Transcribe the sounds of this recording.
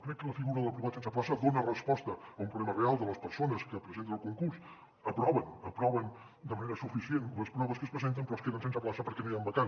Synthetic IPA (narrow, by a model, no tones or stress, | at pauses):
kɾɛkːələfiɣuɾəðəlˠpɾiβat̪sensəp̬lasəd̪onərəspɔst̪əːumpɾuβlɛmərealˠd̪ələspəɾsonəskəpɾəzent̪ənəlˠkuŋkuɾs | əpɾɔβənəpɾɔβən | d̪əməneɾəsufisienləspɾɔβəskəspɾəzent̪əmpɾɔəskeðənsens̬əplasəpəɾkɛnojambəkan